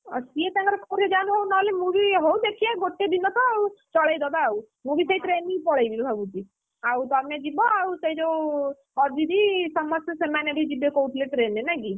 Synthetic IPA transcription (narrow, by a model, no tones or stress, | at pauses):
ɔ̰siet̪ãŋkɔɾkoɾed͡ʒanũɦownɔlemũbiɦowd̪ekʰiaɡoʈːed̪inɔt̪ɔaut͡ʃɔɭajd̪ɔbau | mũbʱisejʈɾenːĩŋpɔɽajbilbʱabut͡ʃi | awt̪amned͡ʒibɔausejd͡ʒow | ɔɾd͡ʒid̪isɔmɔsesemanebʱid͡ʒibekouʈʰleʈɾenːenaki